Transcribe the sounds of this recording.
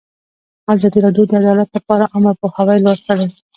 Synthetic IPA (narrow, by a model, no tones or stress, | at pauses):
azɑd̪iɾɑɖjod̪əad̪ɑlat̪ləpɑɾaʔamaɾpohawajlɑskəɽe